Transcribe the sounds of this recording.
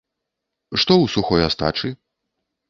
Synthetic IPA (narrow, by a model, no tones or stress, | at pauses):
ʂt̪ɔwsuxɔjast̪a̰t͡ʂɨ